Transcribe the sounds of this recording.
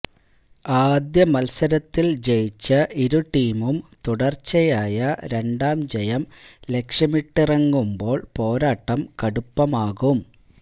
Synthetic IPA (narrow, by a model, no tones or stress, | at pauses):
aːd̪jɐmɐlsɐɾɐt̪ːild͡ʑejit͡ɕːɐiɾuʈiːmumt̪uɽɐrt͡ɕːɐjaːjɐɾe̞ɳɖaːmd͡ʑejɐmle̞kʂɐmiʈːirɐŋːumbo̞ːɭpo̞ːɾaːʈːɐmkɐɽupːɐmaːɣum